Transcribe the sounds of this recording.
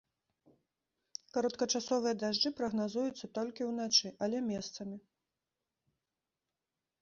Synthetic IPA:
kɐɾɐt̪kɐt͡ʂasɔvɨjɐd̪aʐd͡ʐɨpɾɐɣnazujut̪sːɐt̪ɔlʲkʲiwn̪at͡ʂɨʔɐlʲɛmʲɛst̪sɐmʲi

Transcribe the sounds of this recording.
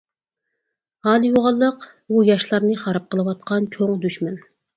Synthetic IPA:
hɑːlˠɨjoʁɑlˠːəq | bujɑʃlˠɑɾnɨχɑɾɑp̚qʰəlˠɨwɑt̪̚qʰɑnt͡ʃʰoŋd̪yʃmɛn

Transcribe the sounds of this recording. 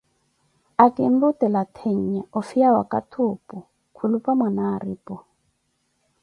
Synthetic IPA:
akʼim̩butɛlat̪ʰeɲ̩ɲɛɔfiawa̰kʼa̰tʰʊːpɔ | kʰulupʼamanaːriːpʼɔ

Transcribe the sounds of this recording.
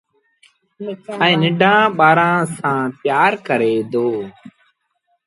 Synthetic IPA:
ĩːnɪɖʱãːɓaːɾãːsãːt̪ɪjaːɾkəɾeːd̪oː

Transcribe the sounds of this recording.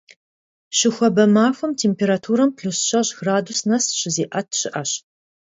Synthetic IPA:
ʃɪxʷɔbɐmaːfʷɐmtʰeːmpʰeːɾatʰuːɾɐmpʰɬusɕɐʑɣraːdusnɐsɕɪzeːʔɐtʰɕɪʔɐɕ

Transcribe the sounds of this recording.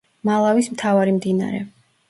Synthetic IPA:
malˠavismt̪ʰavaɾimd̪ina̰ɾɛ̰

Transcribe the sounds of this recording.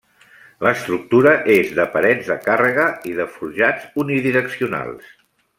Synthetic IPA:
ləst̪ɾuk̚t̪uɾəʔezðəpəɾɛd͡zðəkarəɣəiðəfuɾʒad͡zuniðiɾəksiuna̰lˠs

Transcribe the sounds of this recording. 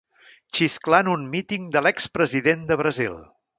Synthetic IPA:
ʃisklanunmit̪iŋd̪əlɛkspɾəziðend̪əβɾəzḭlˠ

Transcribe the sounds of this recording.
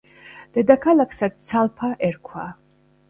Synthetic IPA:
d̪̥ɛd̪akʰalakʰsat̪sʰalˠpʰaʔɛɾkʰwa

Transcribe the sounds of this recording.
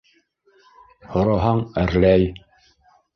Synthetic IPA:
hŏɾɑɦɑɴɘ̆ɾlæj

